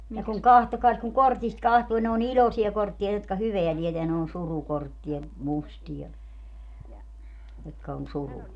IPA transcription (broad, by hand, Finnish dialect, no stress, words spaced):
ne kuŋ kɑhtokɑːs kuŋ kortist kɑhtuː ne on ilʲosiɑ kortːiɑ jotkɑ hyʋeæ tieteæ ne on surukortːiɑ mustijɑ jotkɑ on suruɑ